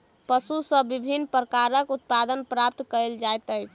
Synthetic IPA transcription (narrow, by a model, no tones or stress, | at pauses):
pəsusə̃bibʱinːpɾəkaɾəkut̪̚pad̪ənpɾap̚t̪kəld͡ʒajt̪əjt͡ʃʰ